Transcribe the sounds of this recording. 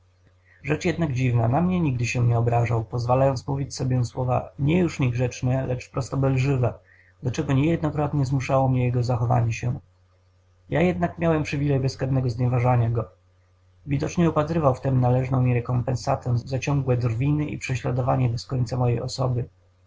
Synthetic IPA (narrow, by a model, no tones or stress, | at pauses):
ʐɛt͡ʂjɛd̪naɡd͡ʑivnanamɲɛɲiɡ̚d̪ɘɕɛɲɛɔbɾaʐawpɔzvalajɔnt̪smuvʲit͡ɕsɔbʲjɛ̃swɔva̰ɲɛjuʂɲɛɡʐɛt͡ʂnɛlɛt͡ʂpɾɔst̪ɔbɛlʐɘvɛ | d̪at͡ʂɛɡɔɲɛjɛd̪nɔkɾɔt̪ɲɛzmuʂawɔmɲɛjɛɡɔzaxɔva̰ɲɛɕɛ | ja̰jɛd̪nakmʲjawɛmpʂɘvʲilɛjbɛskad̪nɛɡɔzɲɛvaʐaɲaɡɔ | vʲid̪ɔt͡ʂɲɛɔpat̪ɾɘvawft̪ɛmnalɛʐnɔ̃w̃ɲɛɾɛkɔmpɛnsat̪ɛ̃zat͡ɕɔŋɡwɛd̪rvʲinɘʔḭpʂɛɕlad̪ɔvaɲɛbɛskɔɲt̪samɔjɛjɔsɔ̰bɘ